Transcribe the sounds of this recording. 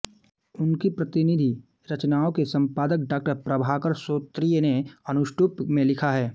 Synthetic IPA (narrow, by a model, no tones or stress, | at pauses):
ʊnkipɾɐt̪ɪnɪd̪ʱi | ɾɐt͡ʃnaːõkesɐ̃mpaːd̪əkɖaːk̚ʈəɾpɾɐbʱakəɾsoːt̪ɾijneɐnʊʃʈuːpmẽlɪkʰaɦɛː